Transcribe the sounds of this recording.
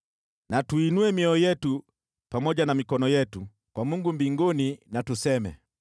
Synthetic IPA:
natuinuɛmiɔɔjɛtu | pamɔɟanamikɔnɔjɛtu | kwamuŋɡumbiŋɡɔninatusɛmɛ̰

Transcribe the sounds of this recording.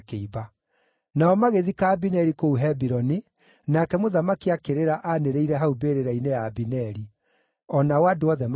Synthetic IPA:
keiba | naɔmaɣeðikaːbinɛɾikouɦɛbiɾɔni | nakɛmoðamakiakeɾeɾaʔaneɾeiɾɛɦaubeːɾeɾainejaːbinɛɾi | ɔnawadoɔðɛm

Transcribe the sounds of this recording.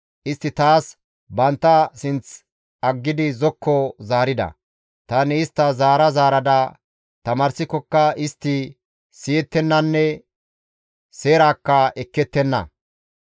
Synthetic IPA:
ʔɪst̪ːɪt̪aːs | bɐnt̪ːɐsɪnt͡s | ɐɡːɪd̪ɪzɔkʰːɔzaːɾɪd̪ɐ̰ | t̪ɐnɪːst̪ːɐzaːɾɐzaːɾɐd̪ɐ | t̪ɐmaːɾsɪkːɔkːɐɪst̪ːɪ | sɪjɛt̪ːɛnːɐnːɛ | seːɾaːkːɐɛkːɛt̪ːɛnːɐ̰

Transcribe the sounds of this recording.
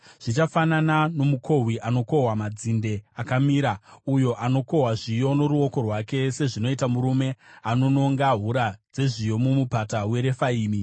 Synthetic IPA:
ʐ̥it͡ʃafananano̞muko̞ɦwiʔano̞ko̞ɦwamad͡zinde̞akamiːɾaujo̞ʔano̞ko̞ɦwaʐijo̞no̞ɾuo̞ko̞rwake̞se̞ʐino̞itamuɾume̞ano̞no̞ŋɡaɦuɾad͡ze̞ʐijo̞mumupatawe̞ɾe̞faiːmi

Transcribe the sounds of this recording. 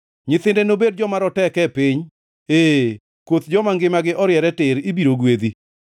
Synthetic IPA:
ɲɪt̪ɪndenobed̚d͡ʒɔmaɾɔtɛkɛpɪɲ | eː | kwot̪d͡ʒɔmaŋɡɪmaɡɪʔɔɾjɛɾɛtɪɾibiɾoɡwed̪i

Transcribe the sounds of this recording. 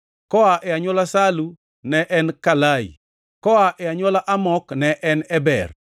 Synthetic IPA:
kɔaʔɛaɲwɔlasalu | nɛʔɛnkalaḭ | kɔaʔɛaɲwɔlaʔamɔknɛʔɛnɛbɛr

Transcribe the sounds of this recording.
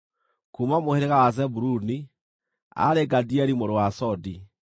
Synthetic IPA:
kumamoheɾeɣawazɛbuɾuni | a̰ɾeɡadiɛɾimoɾowasɔdi

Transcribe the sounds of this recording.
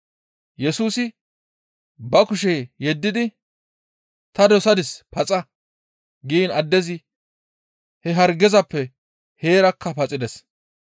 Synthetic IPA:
jɛsuːsɪ | bɐkʊʃejɛd̪ːɪd̪ɪ | t̪ɐd̪ɔsɐd̪ɪspɐt͡sʼɐ | ɡiːnɐd̪ːɛzɪ | hɛɦɐɾɡɛzɐpːɛ | heːɾɐkʰːɐpɐt͡sʼɪd̪ɛs

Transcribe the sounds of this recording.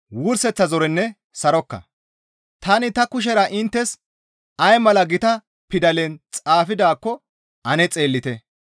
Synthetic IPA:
wʊɾsɛt͡sːɐzɔɾɛnːɛ | sɐɾɔkːɐ̰ | t̪ɐnɪt̪ɐkʊʃ̬ɛɾɐʔɪnt̪ːɛs | ɐjmɐlɐɡɪt̪ɐ | pɪd̪ɐlɛnt͡sʼaːfɪd̪aːkːɔ | ɐnɛt͡sʼe̞ːlːɪt̪ɛ

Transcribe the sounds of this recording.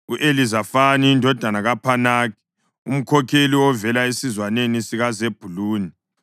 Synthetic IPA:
uʔelizafaniindʱɔd̥ʱanaɣapʰanaːki̥ | ṵm̩kʰɔkʰeliwɔvɛlaesizwanenisiɣazeb̥ʱuluːni

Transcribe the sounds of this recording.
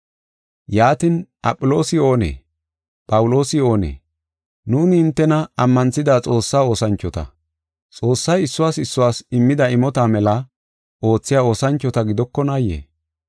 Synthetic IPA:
jaːt̪ɪnʔɐ̰pʼːʊlo̞ːsɪo̞ːnḛː | pʼɐwʊlo̞ːsɪo̞ːnḛː | nuːnɪɪnt̪ːɛnɐɐmːɐnt͡sːɪd̪aːt͡sʼo̞ːsːaːo̞ːsɐnt͡ʃːɔt̪ɐ̰ | t͡sʼo̞ːsːɐjɪsːʊwaːsɪsːʊwaːsɪmːɪd̪ɐɪmɔt̪amɛlɐ | ʔo̞ːt͡sːɪjaːo̞ːsɐnt͡ʃːɔt̪ɐɡɪd̪ɔkːɔnajḛː

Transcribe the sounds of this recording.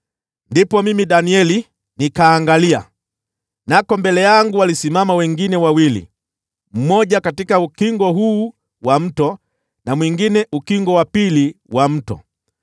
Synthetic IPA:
ndipɔmimidaniɛli | nikaːŋɡalia̰ | nakɔmbɛlɛjaŋɡuwalisimamawɛŋɡinɛwawilḭ | m̩mɔɟakatikaukiŋɡɔɦuː | wam̩tɔ | namwiŋɡinɛʔukiŋɡɔwapiliwʔam̩tɔ̰

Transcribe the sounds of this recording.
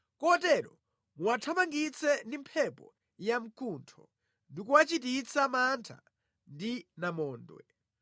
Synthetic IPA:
kɔtɛɾɔ | muwatʰamaŋɡit͡sʰɛndimpʰɛpɔ̰ | jam̩kʰuntʰɔ̰ | ndikuwat͡ʃit̬it͡sʰamantʰa̰ | ndinamɔːndwɛ̰

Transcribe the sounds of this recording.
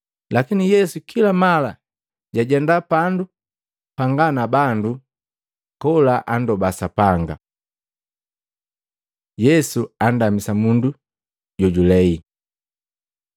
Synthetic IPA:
lakinijɛsukʰilamala | ɟaɟɛndapandu | paŋɡanabandu | kɔlaʔandɔbasapaŋɡa̰ | jɛsuan̩damisamundu | ɟɔɟulɛi

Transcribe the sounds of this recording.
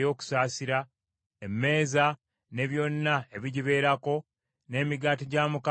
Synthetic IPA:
jo̞ːku̥saːsiɾa | emːe̞ːza | ne̞βjo̞nːaeβiɟiβe̞ːɾako̞ | ne̞ːmiɡaːtiɟaːmuka

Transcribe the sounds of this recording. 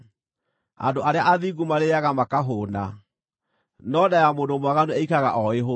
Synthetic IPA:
a̰ndoʔaɾeaʔaðiɡumaɾeaɣamakaɦoːna | nɔdajamoːndomwaɣanuɛikaɣaʔɔeɦo

